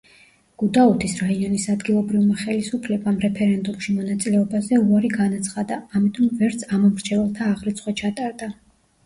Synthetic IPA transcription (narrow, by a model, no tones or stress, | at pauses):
ɡ̥ud̪aut̪ʰisɾaiɔnisad̪ɡilˠɔbɾivmaχɛlisupʰlɛbamɾɛpʰɛɾɛnd̪umʃimɔnat̪sʼilɛɔbazɛuaɾiɡanat̪sʰχad̪aːmit̪ʼɔmvɛɾt̪sʰamɔmɾd͡ʒʰɛvɛlˠt̪ʰaːʁɾit̪sʰχwat͡ʃʰat̪ʼaɾd̪a